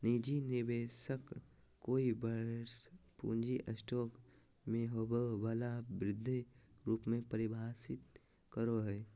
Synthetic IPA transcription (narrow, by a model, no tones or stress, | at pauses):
nid͡ʒinɪbeːsək | koːibəspṵːnd͡ʒiʔəsʈɔːk | mẽɦoːbobaːlabɾɪd̪ʱːiɾuːpmẽpəɾɪbʱaːsɪt̪̚ | kəɾoɦɛː